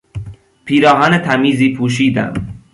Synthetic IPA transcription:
pʰiːɾɒːɦænet̪ʰæmiːziːpʰuːʃ̬iːd̪æ̰m

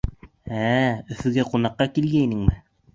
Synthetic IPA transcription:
æɵ̆θɵ̆ɡæqunɑqːɑkilɡæinɘŋmɘ

